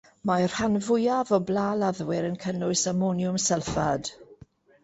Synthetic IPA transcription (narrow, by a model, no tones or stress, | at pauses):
mar̥hanvʊjavɔblaːlaðwɪɾənkʰənʊɨsamonjʊmsɛlˠfad̥